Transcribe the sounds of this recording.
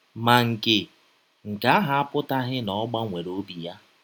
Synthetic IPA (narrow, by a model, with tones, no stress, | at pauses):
ma˨ŋ̩˨kɪ˨ | ŋ̩˨ka˦ɦa˦a˦pʊ˦ta˦ɦɪ˦nɔ˨˦ɡ͡ba˦ŋʷe˨ɾo˦bi˨ja˦